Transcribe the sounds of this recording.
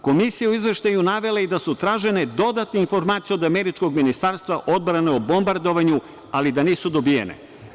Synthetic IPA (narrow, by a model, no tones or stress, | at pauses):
ko̞misijauizʋe̞ʃt̪ajunaʋe̞laid̪asut̪ɾaːʒe̞ned̪o̞d̪at̪neinfo̞ɾmaːt̪sijeo̞d̪ameɾit͡ʃko̞ɡminist̪aɾst̪ʋaʔo̞d̪̚bɾaneobombaɾd̪o̞ʋaɲu | alid̪aniːsud̪o̞bijḛnḛ